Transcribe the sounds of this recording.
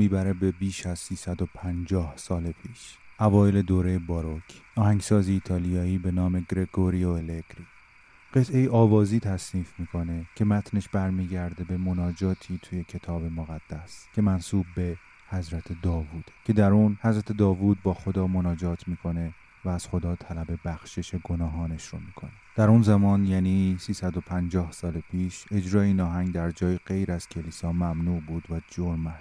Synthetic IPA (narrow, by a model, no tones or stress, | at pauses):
miːbæɾe̞be̞biːʃæzsiːsæd̪o̞pʰænd͡ʒɒːhsɒːlepʰiːʃʔævɒːjele̞d̪oːɾe̞jebɒːɾocʰɒːhæŋsɒːziːt̪ʰɒːlijɒːiːbe̞nɒːme̞ɡɾe̞ɡoɾioeleɡɾi | ɢ̥e̞t̪ʰʔe̞jeʔɒːvɒːziːt̪ʰæsniːfmiːkʰo̞ne̞cʰe̞mæt̪ʰne̞ʃbæɾmiːɟæɾd̪e̞be̞mo̞nɒːd͡ʒɒːt̪ʰiːt̪ʰuːje̞cʰe̞t̪ʰɒːbe̞moɣæd̪̥ːæscʲʰe̞mænsuːb̚be̞ | hæzɾæt̪ʰe̞d̪ɒːvuːd̪̥ecʰe̞d̪æɾuːnhæzɾæt̪ʰe̞d̪ɒːvuːd̪̚bɒːxo̞d̪ɒːmo̞nɒːd͡ʒɒːt̪ʰmiːkʰo̞ne̞ | væːz̥xo̞d̪ɒːt̪ʰælæbe̞bæxʃe̞ʃe̞ɡo̞nɒːɦɒːneʃɾo̰miːkʰo̞̰ned̪̥æɾunzæmɒːnjæːnisiːsæd̪o̞pʰænd͡ʒɒːhsɒːlepʰiːʃe̞d͡ʒɾɒːeiːnɒːɦæŋɡd̪æɾd͡ʒɒːjiɡe̞jɾæz̥cʰeliːsɒːmæmnuːʔbuːd̪væd͡ʒoɾmæ